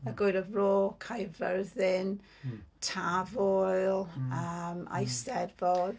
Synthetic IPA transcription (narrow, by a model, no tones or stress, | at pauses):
əɡoɨɾəvroːkʰajvərðɪn | tʰavɔɨlˠəma̰jstɛdvɔd